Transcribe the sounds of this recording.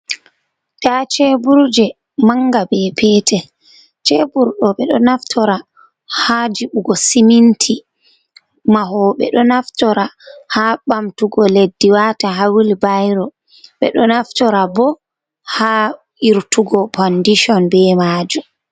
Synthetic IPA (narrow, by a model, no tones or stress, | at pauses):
tat͡ʃɛbuɾd͡ʒɛ | maŋɡabɛpʰɛːtʰɛ | t͡ʃɛbuɾɗɔɓɛɗɔnaftʰɔɾa | had͡ʒiɓuɡɔsimintʰi | maɦɔɓɛ̰ɗɔnaftɔɾahaɓamtuɡɔledːiwataɦawilbajɾɔ | ɓɛɗɔnaftɔɾabɔ | ha | iɾtuɡɔpɔndiʃɔnbɛmaːd͡ʒu